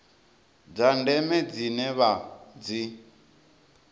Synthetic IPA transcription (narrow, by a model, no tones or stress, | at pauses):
d͡zandɛmɛd͡zinɛβad͡zi